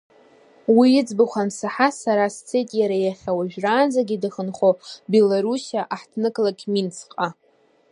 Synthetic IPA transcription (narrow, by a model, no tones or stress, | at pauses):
wijɪd͡zbɨχʷansaħasaɾast͡sʰe̞jtʼjaɾajaχʲawaʒᶣraːnd͡zaɡʲidɨχənχʷobe̞laɾusjaʔaħtʰnɨkʼlakʲʰʼmint͡sʰqʼa